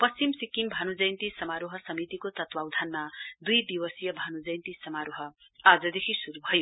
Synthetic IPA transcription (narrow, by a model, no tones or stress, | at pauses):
pʌst͡simsikimbʱanud͡zʌjnt̪isʌmaɾoɦʌsʌmit̪ikot̪ʌt̪wawd̪ʱanmad̪ujd̪iwʌsijʌbʱanud͡zʌjnt̪isʌmaɾoɦʌ | ad͡zʌd̪ekʰisuɾubʱʌjo